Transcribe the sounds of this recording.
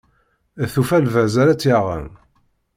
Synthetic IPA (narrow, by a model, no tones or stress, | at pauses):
θufælvæzæɾæt͡sːjaʁə̰n